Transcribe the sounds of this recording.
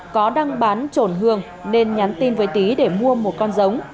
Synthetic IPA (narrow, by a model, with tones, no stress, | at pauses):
kɔ˨˦ɗa˧ŋɓaː˨˦nt͡ɕo˧˩nɦɨ˧˩əŋ | ne˧nɲa˨˦nt̪i˧nvəː˨˦jt̪i˨˦ɗe˧˩mu˧əmo˨˩t̚kɔ˧nzə˨˦wŋ͡m